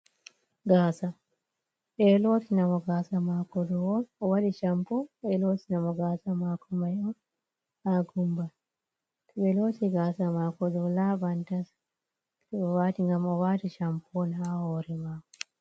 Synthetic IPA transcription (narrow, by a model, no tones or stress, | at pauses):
ɡaːsa | ɓɛloːtinamɔɡaːsamakɔdɔwɔnɔwaɗiʃampɔɛloːtinamɔɡaːsamaːkɔmajɔn | haɡumba | tɓɛloːtiɡaːsamaːkɔdɔlabantas | ɛwaːtiŋɡamɔwaːtiʃampʰɔnahɔːɾɛmaːkɔ̥